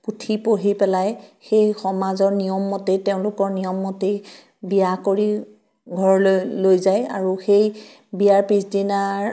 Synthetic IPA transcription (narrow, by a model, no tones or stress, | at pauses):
putʰipoɦipɛlajxejxɔmazɔɹnijɔmːɔteteʊ̃lʊkɔɹnijɔmːɔte | bijakoɹi | ɡʱɔɹllojzaja̰ɹuxej | bijaɹpisdinaɹ